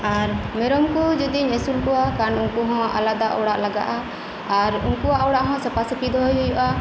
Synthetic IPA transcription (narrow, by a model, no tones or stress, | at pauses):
aɾmɛɾɔmkud͡ʒud̪iɲɛsulkuwakanuŋkuɦɔ̃ʔa̰lad̪aʔɔ̰ɽaʔlaɡa̰ʔaː | ɾunkuaʔɔɽaʔɦɔ̃səpasəkid̪ɔɦɔjɦɔjuʔa